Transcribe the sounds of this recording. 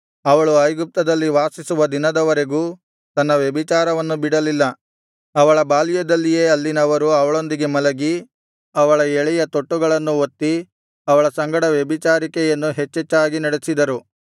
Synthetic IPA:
ɐʋɐɭuɐjɡup̚t̪ɐd̪ɐlːiʋaːsisuʋɐd̪inɐd̪ɐʋɐɾe̞ɡuː | t̪ɐnːɐʋjebit͡ʃaːɾɐʋɐnːubiɽɐlilːɐ | ɐʋɐɭɐbaːlijɐd̪ɐlːije̞ːɐlːinɐʋɐɾuɐʋɐɭo̞nd̪iɡe̞mɐlɐɡi | ɐʋɐɭɐeɭɛjɐt̪o̞ʈːuɡɐɭɐnːuot̪ːi | ɐʋɐɭɐsɐŋɡɐɽɐʋjebit͡ʃaːɾikɛjɐnːuɦet͡ʃːɛt͡ʃːaːɡinɐɽesid̪ɐɾu

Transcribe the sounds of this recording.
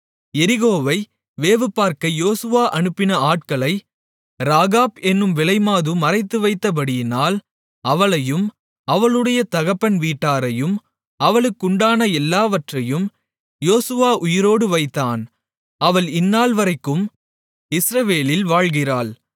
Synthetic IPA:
ɛɾɪɣoːʋɐɪ | ʋeːʋɯpːaːɾkɐjoːsɯʋaːʔɐnɯpːɪnɐaːʈ̚kɐɭɐɪ | ɾaːɣaːbɛnːɯmʋɪlɐɪmaːðɯmɐrɐɪt̪ːɯʋɐɪt̪ːɐp̬ɐɽɪjɪnaːl | ɐʋɐɭɐjɯm | ɐʋɐɭɯɽɐjɐt̪ɐɣɐpːɐnʋiːʈːaːɾɐjɯm | ɐʋɐɭɯkːʊɳɖaːnɐɛlːaːʋɐʈrɐjɯm | joːsɯʋaːʔʊjɪɾoːɽɯʋɐɪt̪ːaːn | ɐʋɐɭɪnːaːlʋɐɾɐɪkːɯm | ɪsɾɐʋeːlɪlʋaːɻɣɪraːɭ

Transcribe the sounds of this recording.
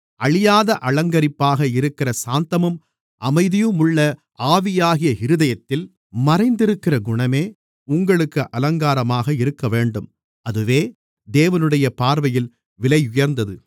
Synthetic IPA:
ʔɐɭɪjaːðɐʔɐlɐŋɡɐɾɪpːaːɣɐɪɾɯkːɪrɐsaːnt̪ɐmɯm | ʔɐmɐɪðɪjɯmʊɭːɐ | aːʋɪjaːɣɪjɐɪɾɯðɐjɐt̪ːɪl | mɐɾɐɪnd̪ɪɾɯkːɪrɐɡʊɳɐmeː | ʊŋɡɐɭɯkːɯʔɐlɐŋɡaːɾɐmaːɣɐɪɾɯkːɐʋeːɳɖɯm | ɐðɯʋeː | d̪eːʋɐnɯɽɐjɐpaːɾʋɐjɪl | ʋɪlɐɪʊjɐɾnd̪ɐðɯ

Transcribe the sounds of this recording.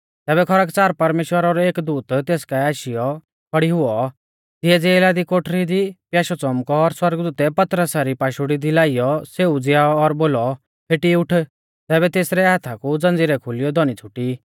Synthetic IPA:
t̪ɛːbɛkʰɔɾakt͡saːɾpɐɾmeːʃwəɾaɾɔeːkd̪uːt̪t̪eːskaaːʃɪjɔ | kʰɔɽiɦʊɔ | t̪ɪɛd͡zeːlaːd̪ikoʈʰɾid̪ipjaːʃɔt͡sɔmkɔːɾswɐɾɡd̪uːt̪ɛpɐt̪ɾəsaɾipaːʃuɽid̪ilaːɪjɔseud͡zɪjaːɔːɾboːlɔ | pʰeʈiʊʈʰ | t̪ɛːbɛt̪eːsɾɛɦaːt̪ʰakud͡zɐ̃nd͡ziɾɛkʰʊlɪjɔd̪ɔnit͡sʰʊʈi

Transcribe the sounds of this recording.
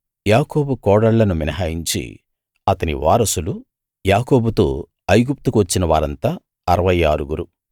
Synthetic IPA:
jaːko̞ːbukɔːɽɐɭːɐnuminɐɦaːjiɲt͡ʃḭ | ɐt̪ɐnḭʋa̰ːɾɐsulu | jaːkoːbut̪oː | ɐjɡup̚t̪ukuʋɐt͡ʃːinɐʋaːɾɐnt̪aː | ɐɾɐʋɐjaːɾuɡuɾu

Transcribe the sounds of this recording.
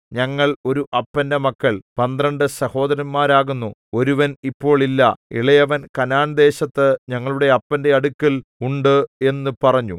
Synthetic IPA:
ɲɐŋːɐɭo̞ɾuʔɐpːɐnde̞mɐkːɐɭpɐnd̪rɐɳɖɨsɐho̞ːd̪ɐɾɐnmaːɾaːɣunːuo̞ɾuʋɐnipːo̞ːɭilːɐḭɭɐjɐʋɐnkɐnaːnɐd̪e̞ːɕɐt̪ːɨɲɐŋːɐɭuɽe̞ɐpːɐnde̞ɐɽukːɐluɳɖɨe̞nːupɐrɐɲːu

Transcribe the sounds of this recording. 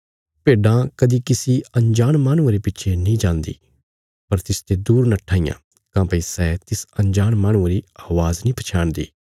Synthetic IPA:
peːɖãkɐd̪ikɪsiɐ̃nd͡ʒaːɽ̃maːɽ̃ʊ̃aɾepɪtːʃʰenĩd͡ʒãːnd̪ḭː | pɐɾt̪ɪst̪ed̪uːɾnɐʈʰːaːijã̰ | kãːpəisɛːt̪ɪsɐ̃nd͡ʒaːɽmaːɽ̃ũaɾiaːʋaːznĩːpʰɐt͡ʃʰaːɽ̃d̪ḭː

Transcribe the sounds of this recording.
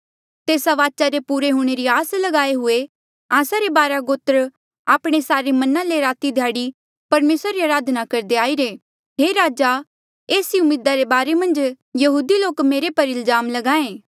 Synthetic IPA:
t̪eːsaʋaːt͡ʃaɾepuːɾeɦuːɽ̃eɾiaːslɐɡaːeɦʊe | aːsaɾebaːɾaɡoːt̪əɾ | aːpɽ̃esaːɾemɐnãleɾaːt̪id̪ʱjaːɽi | pɐɾmeːsɾaɾiaɾaːd̪nakɐɾd̪eaːiɾeː | ɦeːɾaːd͡ʒa | eːsiʊmeːd̪aɾebaːɾemɐ̃nd͡ʒ | jɐɦuːd̪iloːkmeːɾepɐɾɪlzaːmlɐɡãːẽː

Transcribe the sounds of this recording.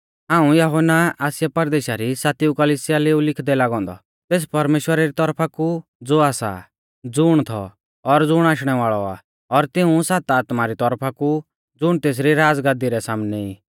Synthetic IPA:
ɦãːũjɐɦonaaːsjapɐɾd̪eːʃaɾisaːt̪iukɐliːsɪjaleːulɪkʰd̪ɛlaːɡɔ̃ːnd̪ɔ̰ | t̪eːs̬pɐɾmeːʃwəɾaɾit̪ɔɾpʰakud͡zoːaːsa̰ | d͡zʊɽ̃t̪ʰɔ̰ | ɔɾd͡zʊɽ̃aːʃɽ̃ɛʋaːɭɔa̰ | ɔɾt̪ɪũsaːt̪aːt̪maɾit̪ɔɾpʰaku | d͡zʊɽ̃t̪eːs̬ɾiɾaːd͡zɡãːd̪iɾɛsaːmnɛḭː

